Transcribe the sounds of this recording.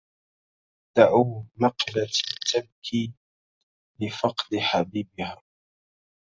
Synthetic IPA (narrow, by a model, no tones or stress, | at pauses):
d̪̥aʕuːmɑqlat̪ʰːab̚kʰiː | lɪfɑqd̪ɪħabiːbɪhaː